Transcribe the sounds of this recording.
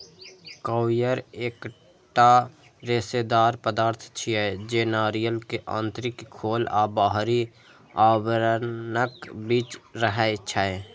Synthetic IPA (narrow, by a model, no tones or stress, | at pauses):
kəwjəɾeːk | ʈa | ɾeːsed̪aːɾpəd̪aːɾt̪ʰt͡ʃʰijɛd͡ʒeːnaːɾijəlkeʔã̰ːnt̪ɾɪkʰːoːlaːbaɦɾi | aːwəɾnəkbiːt͡ʃɾəɦɛt͡ʃʰae